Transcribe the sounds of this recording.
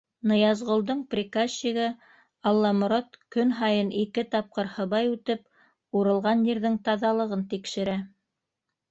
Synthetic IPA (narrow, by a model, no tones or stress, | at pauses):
nɤ̆jɑzʁŏlˠd̪ɤɴprʲikasiɣɤ | ɑlˠːɑmŏɾat̪kɵnɦɑjɤnikɘt̪ɑp̚qɤɾhɤ̆βɑjʉt̪ɘp̚ | uɾɤ̆lˠʁɑnjiɾðɘŋt̪ɑðɑlˠɤ̆ʁɤnt̪ikʃɘ̆ɾæ